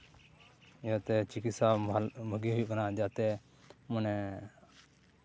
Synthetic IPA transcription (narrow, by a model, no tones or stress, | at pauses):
jat̪ɛt͡ʃikit̪sabʱəɡiɦujbanad͡ʒat̪ɛ | munɛ